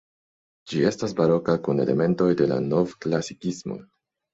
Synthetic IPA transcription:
d͡ʒie̞stasbaɾo̞kakune̞̰le̞̰me̞nto̞jde̞la̰no̞vklasikismo̞̰

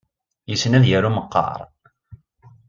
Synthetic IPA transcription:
jəsənæðjæɾuməqːɑ̰ɾˤ

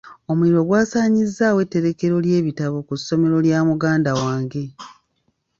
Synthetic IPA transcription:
o̞muiɾo̞ɡwaːsaːɲizːaːwe̞tːe̞ɾe̞ke̞ɾo̞lje̞ːβitaβokusːo̞me̞ɾo̞ljaːmuɡaːndawaːŋɡe̞

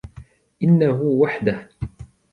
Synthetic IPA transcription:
ʔɪnːaɦʊwaħd̪ah

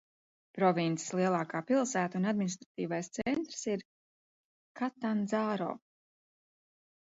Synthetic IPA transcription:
pɾɔvʲint̪se̥slˠiɛlˠaːkaːpilˠsæːt̪unad̪minist̪ɾat̪iːvajst̪sɛnt̪ɾsiɾ | kat̪anzaːɾo̰ː

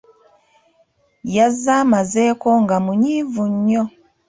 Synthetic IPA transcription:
jazamazɛkɔŋɡamuɲivuɲɔ

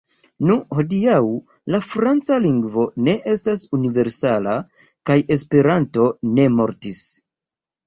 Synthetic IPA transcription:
nuho̞diaw | lafɾant͡saliŋɡvo̞ne̞ʔe̞stasunive̞ɾsala | kaje̞spe̞ɾanto̞ne̞mo̞ɾtis

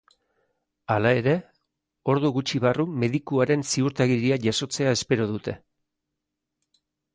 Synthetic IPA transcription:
alae̞ɾe̞ | o̞ɾðuɣut͡ʃiβarume̞ðikuaɾe̞nsiuɾt̪aɣiɾiaʝaso̞t͡se̞ae̞spe̞ɾoð̞ut̪e̞

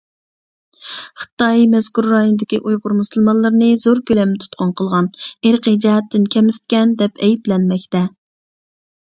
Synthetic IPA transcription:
χə̥t̪ɑjmɛz̥kuɾːɑɦind̪ɪkʲiʔujʁʊɾmusɨlˠmɑnlˠɨɾnɨzoɾkʲølɛmt̪ʰu̥t̪qʰʊnqʰəlˠʁɑneɾqid͡ʒɛɦɛt̪ːɪnkʲʰɛmɪst̪̚kʲɛnd̪ɛpʰɛjiplɛnmɛkʲt̪ɛ

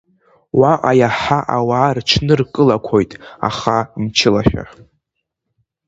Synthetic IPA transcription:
waʔajaħaʔawaːrʈ͡ʂʰnɨrkʼɨlakʷʰojtʼa̰χant͡ʃʰɪlaʃᶣa̰

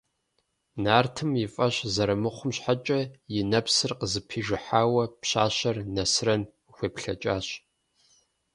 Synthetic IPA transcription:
naːrtʰɨmjɪfʼɐɕzɐɾɐmɨχʷʊmɕħat͡ʃʼɐjɪnɐpsɨrqəzɨpʰiːʒɪħaːwɐpɕaːɕɐrnɐsɨrɐn | xʷeːpɬɐ̰t͡ʃʼaːɕ

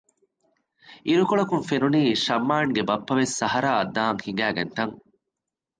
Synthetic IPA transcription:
iɾukoɭɐkuŋfenuniːʃɐmːaːŋɡebɐpːɐʋesːɐɦɐɾaːɐd̪ːaːŋhiŋ̆ɡæːɡɐ̰nt̪ɐŋ

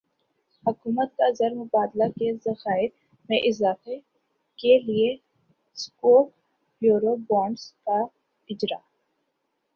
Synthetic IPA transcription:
hʊkuːmət̪̚kazəɾmʊbaːd̪lakezɐxaːɪɾ | mẽʔɪzaːfe | kelie | skoːk | juːɾobɔːɳɖska | ɪd͡ʒɾa̰ː

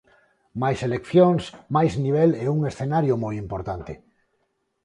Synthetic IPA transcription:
majselekθjoŋsmajzniβ̞ɛleuŋesθenaɾjomojimpoɾt̪ant̪ɪ

